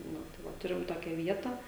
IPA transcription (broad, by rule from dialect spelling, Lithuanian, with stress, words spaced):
ˈnʊ tɐɪ ˈʋɐ ˈtʊrʲɪm ˈtoːkʲɛ ʋʲiɛtɐ